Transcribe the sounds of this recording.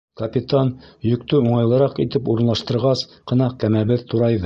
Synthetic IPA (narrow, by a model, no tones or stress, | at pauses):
kɐpʲit̪ɑnjɵ̆kt̪ɵuɴɑjlˠɤ̆ɾɑqit̪ɘpuɾɤ̆nlˠɑʃt̪ɤ̆ɾʁɑsqɤ̆nɑqkæmæβɘðt̪ʰuɾɑjðɤ